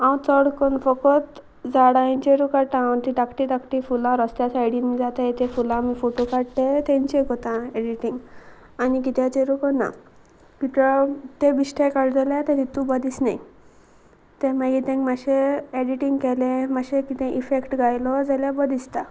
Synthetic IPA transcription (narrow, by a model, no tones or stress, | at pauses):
awt͡səɽkɔnfɔkɔt̪ | d͡zaɽaĩnt͡ɕeɾukaɽʈ̪ãənt̪iʈakʈiʈakʈifulãɾɔst̪jasajɽinmid͡zat̪aet̪efulãmifoʈokaɽt̪et̪ẽɲt͡ɕekɔt̪ãeɖiʈiŋɡ | anik̬it̪jat͡ɕeɾukɔna̰ | kit̪ɾat̪ebiɕʈʰekaɽd͡zalat̪et̪it̪ːubəd̪isnai | t̪ẽmaɡit̪ẽŋmaɕeeɽiʈiŋɡkɛlẽmaɕekit̪ẽʔifekʈɡajlɔd͡zaljabəd̪ist̪a